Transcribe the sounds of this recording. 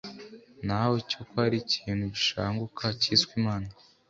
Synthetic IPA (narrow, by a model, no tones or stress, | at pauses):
nawocokoaɾiciːnhuɟiʃa̰ːŋɡukʰaciːswiːmaːna